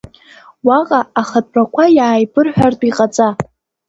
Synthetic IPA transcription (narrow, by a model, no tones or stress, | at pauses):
waqʼaaχat̚ʼrakʷʰajaːjbɨrħʷᶣartʼiqʼat͡sʼa